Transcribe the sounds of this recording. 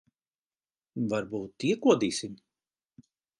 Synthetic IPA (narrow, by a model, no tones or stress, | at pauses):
vaɾbuːt̪ːiɛkuɔd̪iːsim